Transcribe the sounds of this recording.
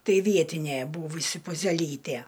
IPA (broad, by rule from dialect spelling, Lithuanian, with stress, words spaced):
ˈtɐɪ ˈʋʲiɛtʲɪnʲeː ˈbuːʋʊsʲɪ pʊzʲɛˈlʲiːtʲeː